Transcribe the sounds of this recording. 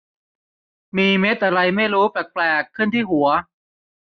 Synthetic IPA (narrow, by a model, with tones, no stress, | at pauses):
miː˧me˦˥t̪̚ʔa˧ɾa˧jma˥˩jɾuː˦˥pɛː˨˩k̚plɛː˨˩kʰːɯ˥˩˨nt̪ʰiː˥˩hu˩˦ɐ